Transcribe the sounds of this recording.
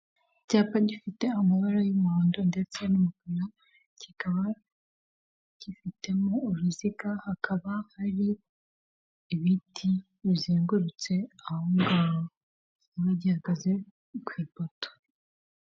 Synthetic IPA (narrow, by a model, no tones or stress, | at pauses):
caːpaɟifite̞amaβaɾajumaːndonde̞t͡se̞numupiɾa | cikaβa | ɟ̥ifite̞moːɾuzikahakʰaβahaɾi | βitʰi | βzeːŋɡuɾut͡se̞ahoŋɡaβo | βaɟihaɡaze̞ | kwiːpoto̥